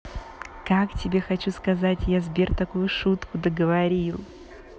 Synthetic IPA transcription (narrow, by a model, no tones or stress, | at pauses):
kaktʲɪbʲe̞xɐt͡ɕuskɐzatʲjazbʲert̪ɐkujʊʂut̪kʊd̪əɡəvɐɾʲilˠ